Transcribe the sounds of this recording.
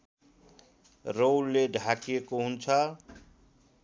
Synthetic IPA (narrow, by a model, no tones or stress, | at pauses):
ɾowlːeɖʱakekoɦunt͡ʃʰa